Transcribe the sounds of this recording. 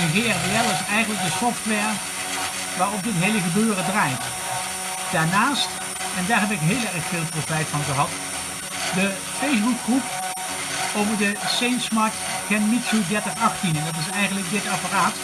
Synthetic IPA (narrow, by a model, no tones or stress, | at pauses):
ənɣeːɛrbeɛlˠɪsɛjɣəndlək̚dəsɔftʋɛɹ | ʋaːɹɔp̚dɪtɦejləɣəbøːrədrajt | d̥aːɹnaːst | ɛndaːɹɦɛbɪkɦeːlˠɛrχfɪːlˠprofɛjtfɑnχəɦɑt | də | fejsbuk̚ɡrup̚ | owvəɹdəsejnsmɑɹt | kɛnmitsodɛɹtəχɑχtinɛndɑtɪsɛjɣəndlək̚dɪtaparaːt